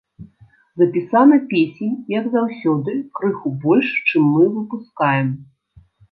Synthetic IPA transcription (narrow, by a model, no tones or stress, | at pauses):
zɐpʲisanɐpʲesʲenʲjɐɡzawsʲɔd̪ɨkɾɨxubɔlʲʂt͡ʂɨmːɨvɨpuskajɛm